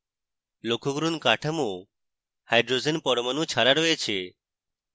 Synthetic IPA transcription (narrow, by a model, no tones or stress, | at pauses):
lokʰoɡɾunkaʈʰəmo | hajɖɾozenpɔɾmanũt͡ʃʰaɾaɽoet͡ʃʰe